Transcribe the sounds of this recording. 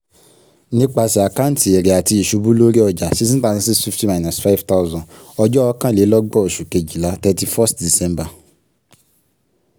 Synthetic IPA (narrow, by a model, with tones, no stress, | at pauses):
nĩ˦k͡pa˧si˨a˨kã˦n˦ti˨ɛ˨ɾɛ˨a˨ti˧i˨ʃu˨˧bũ˦lo˦ɾi˦ɔ˧d͡ʒa˨ʃi˦s̬ĩ˦ta˦˧nĩ˧s̬i˦fi˦fti˦ma˨na˨sfa˦i˦fta˦u˦zɔ̃˨ | ɔ˧d͡ʒɔ˦ɔ˧˦kã˦le˨˦lɔ˦ɡ͡bɔ˦˨o˨ʃu˨ke˧˨d͡ʒi˨la˨˦tɛ˧ti˧fɔ˦stdi˨sɛ̃˦mba˨